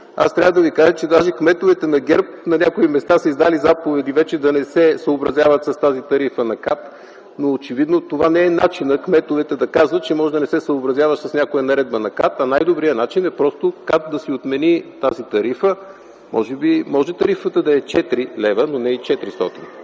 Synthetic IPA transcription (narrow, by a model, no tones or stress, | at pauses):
a̰st̪ɾʲavəd̪ɐvikaʒət͡ʃɛd̪aʒɛkmɛt̪ovɛt̪ɛnɐɡʲɛɾp̚nɐnʲakoimɛst̪asəizd̪alizapovɛd̪ivɛt͡ʃɛd̪ɐnɛsɛsəobɾɐzʲjavət̪sɐst̪azit̪ɐɾifənɐkat̪ | noːt͡ʃɛvid̪not̪ovanɛɛnat͡ʃinəkmɛt̪ovɛt̪ɛd̪ɐkazvət̪t͡ʃɛmɔʒɛd̪ɐnɛsɛsəobɾɐzjavɐʃsəsnʲakojɐnɐɾɛd̪̚bənɐkat̪ɐnajd̪obɾiənat͡ʃinɛpɾɔst̪okat̪̚d̪ɐsiot̪mɛnit̪azit̪ɐɾifə | mʔɔ̰ʒɛbimɔʒɛt̪ɐɾifət̪əd̪ɐɛt͡ʃɛt̪ɾilɛvənonɛit͡ʃɛt̪ɾist̪ɔ̰t̪in